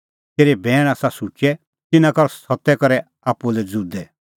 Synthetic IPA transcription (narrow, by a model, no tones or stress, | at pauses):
t̪eːɾɛbʱɛːɽ̃aːsasut͡ʃɛ | t̪ɪnãkɔɾsɔt̪ɛkɔɾɛ | aːpulɛd͡zud̪ɛ